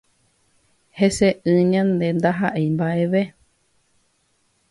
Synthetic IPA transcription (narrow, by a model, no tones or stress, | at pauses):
heseʔɨ̃ɲãnd̪end̪aɦaʔejmbaʔeʋe